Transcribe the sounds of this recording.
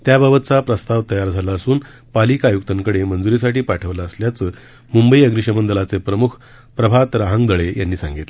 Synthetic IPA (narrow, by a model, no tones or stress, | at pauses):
t̪jabəbət̪t͡sapɾəst̪aʋt̪əjaɾd͡zʱalaəsuːn | palikajuk̚t̪əŋkəɽemənd͡zuɾis̬aʈiːpaʈʰəʋlaəsljat͡səː | mumbəiəɡɾiʂəmənd̪əlat͡sepɾəmukʰ | pɾəbʱat̪ɾaɦəŋɡd̪əɭejanːiːsãŋɡit̪le